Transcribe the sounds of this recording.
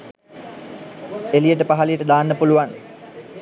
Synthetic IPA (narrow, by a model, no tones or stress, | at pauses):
elijəʈəpaɦalijəʈəd̪aːnːəpuluʋan